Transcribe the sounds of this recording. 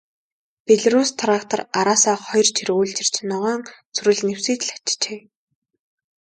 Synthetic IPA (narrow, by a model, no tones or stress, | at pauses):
peɮɾust̪ʰrakt̪ʰɔ̆raɾaːsaːχɔjrt͡ɕʰiɾuːɮt͡ɕɪ̆r̥t͡ɕnɔʁaːŋ | t͡sʰɵɾɘ̆ɮnew̥siːt̪ɮḁt͡ɕt͡ɕeː